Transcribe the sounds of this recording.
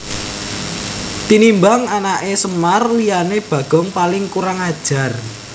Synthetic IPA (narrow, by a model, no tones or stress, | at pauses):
t̪inimbaŋanaʔesəmarlijaneb̥ä̤ɡ̥ɔ̤ŋpalɪŋkuɾaŋad̥ʒ̥a̤r